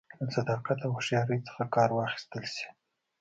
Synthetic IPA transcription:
lasad̪ɑqat̪awaʃjɑɾəjt͡sə̥xakɑɾwɑxi̥st̪əlsi̥

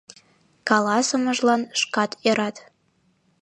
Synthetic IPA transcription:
kɑlɑsəməʒlɑnʃkɑt̪eɾɑt̪

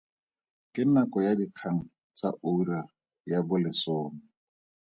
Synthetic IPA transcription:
kʼɪnakʼɔjadikʰaŋ̩ | t͡sa̰ʔora | jabʊlɪsoːmɪ

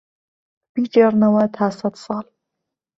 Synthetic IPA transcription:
b̥id͡ʒeɾnɐwɐt̪ʰaːsɐd̪sɑːl

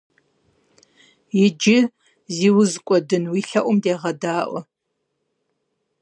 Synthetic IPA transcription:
jɪd͡ʒɪ | ziːwʊzkʷʼɔdɨnwiːɬɐʔʷʊmdeːʁɐdaːʔʷɔ

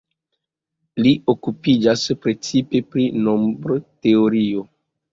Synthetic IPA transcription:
liʔokupid͡ʒaspɾe̞t͡sipe̞pɾinombɾote̞oɾio̞

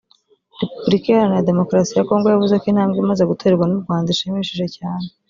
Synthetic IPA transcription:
ɾe̞pubɾikijaɾanjade̞mo̞kɾasijako̞ːŋɡo̞javuzakin̥haːmɡimazeɡuto̞ɾeɾɡwanub̚ɡwaːndaʃimiʃiʒe̞caːne

